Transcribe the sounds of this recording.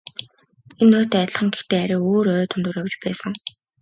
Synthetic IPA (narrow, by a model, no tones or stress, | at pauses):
enːʊːt̪æt̪̆ʲɮχə̆ŋɡext̪eːaɾiːoːɾœːt̪ʰɵnt̪ŭːrɾjawt͡ɕpæːsə̆ŋ